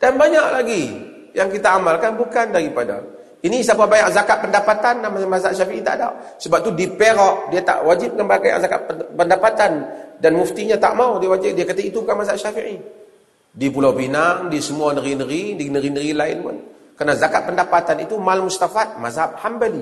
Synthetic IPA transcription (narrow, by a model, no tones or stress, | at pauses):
d̥anbaɲaʔlaɡi | jaŋkit̪aːmalkanbukandaɾipada̰ | inis̬apabaɲaʔ̚zakaʔ̪̚pəndapat̪anamazaʔʃafiʔit̪a̰ʔda̰w | səbap̚t̪udipeɾɔʔ̚diat̪a̰ʔwad͡ʒɪp̚kanbaakaja̰ʔzakaʔ̪pəndapat̪andanmuft̪iɲat̪a̰ʔmawdiawad͡ʒɪdiakat̪ait̪uukanmazaʔʃafiʔi | diapulawpinaŋdiasəmuanəɾinəɾidinəɾinəɡilaɪnpʊ̰n | kəɾənazakat̪ʔ̪̚pəndapat̪anit̪umalmust̪afat̪̚mazaʔlhambəli